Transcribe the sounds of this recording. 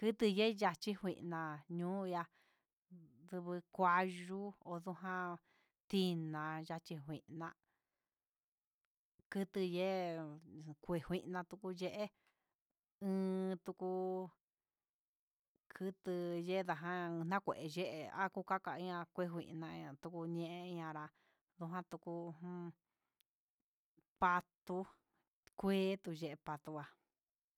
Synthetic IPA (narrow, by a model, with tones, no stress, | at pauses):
kɨ˦t̪ɨ˧je˦ja˧t͡ʃi˦hʷwʷḭ̃˧ʔnã˧ɲũː˦˧ja˧ | ðɨ˧βɨ˧kʷa˧ʒu˦o˧ðu˦ɦã˦ | t̪i˦˧nã˧ja˧t͡ʃi˧ɦʷwʷĩ˨ʔnã˧ | kɨ˦t̪ɨ˧je˦ | kʷe˧˨hʷwʷi˧ʔnã˧t̪u˧ku˧je˦ʔe˦ | ɨ̃ː˧t̪u˧ku˧ | kʰɨ˧t̪ɨ˧je˦˧ða˧˨ɦã˦˧n̥ã˦kʷḛ˨ʔe˧je˦ʔe˧a̰˦ku˦ka˦ka˨i˧˦ɲã˧kʷe˦˧˦ɦʷwḭ̃˨˧ʔnã˧ã˧t̪u˧ku˧ɲẽ˧ʔẽ˦i˧ɲã˧ɾa˧ | ðu˧ɦã˦t̪u˧ku˧h | pa˧t̪u˧ | kʷeː˦t̪u˧ʒe˧ʔe˧pa˧t̪u˧a˧